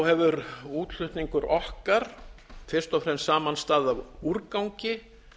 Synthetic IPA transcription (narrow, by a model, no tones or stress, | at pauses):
whɛvʏɾuːt̪l̥ʏht̪niŋkʏɾʔɔhkaɾ̥fɪɾ̥st̪ɔfɾɛmsːaːmanst̪aːðavuɾkawɲcɪ